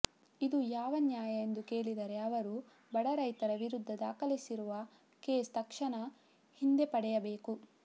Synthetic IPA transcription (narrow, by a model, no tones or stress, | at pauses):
id̪ujaːʋɐnjaːjɐend̪uke̞ːɭid̪ɐɾe̞ɐʋɐɾu | bɐɽɐɾɐjt̪ɐɾɐʋiɾud̪ʱːɐd̪aːkɐlisiɾuʋɐ | keːst̪ɐkʂɐɳɐ | hind̪epɐɽɛjɐbe̞ːku